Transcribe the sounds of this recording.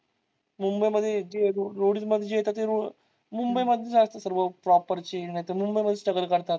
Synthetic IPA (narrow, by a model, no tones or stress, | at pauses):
mumbəjməd̪ʱːjed͡ʑeɾoɾoɽit̪məd̪ʱːjeejet̪at̪eɾo | mumbəjməd̪ʱːjed͡zast̪ɾəsəɾʋəpɾɔpəɾt͡ɕinajt̪emumbəjməd̪ʱːesʈəɡəlkəɾt̪at̪